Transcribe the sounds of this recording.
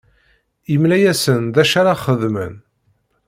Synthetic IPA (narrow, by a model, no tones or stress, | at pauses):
imlæjæsənðæʃaɾaχəðmə̰n